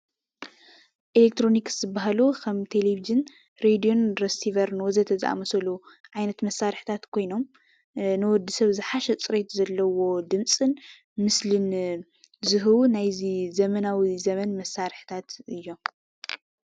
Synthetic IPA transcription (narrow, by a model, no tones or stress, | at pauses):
ʔelek̚t̪ʰɾo̞nikz̥ɨbːaɦalukʰɐmt̪ʰelevid͡ʒɨn | ɾed̪ijo̞nɾɐst̪ʰivɐɾnwɔzɐt̪ʰɐzɨʔa̰mɐsɐluʕajnɐt̪mɐsːaɾħt̪ʰat̪kʰo̞jno̞m | nɨwɔd̪ːisɐβzɨħaʃɛt͡sʼɨɾet̪zɐlːɐwo̞d̪ɨmt͡sʼɨn | mɨslɨn | zɨɦɨβunajzizɐmɐnawizɐmɐnmɐsːaɾħɨ̥t̪ʰat̪ɨjːo̞m